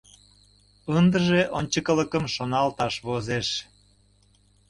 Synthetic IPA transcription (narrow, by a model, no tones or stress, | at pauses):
ənd̪əʒeʔonʲt͡ɕəkələkəmʃonɑlt̪ɑʃβozeʃ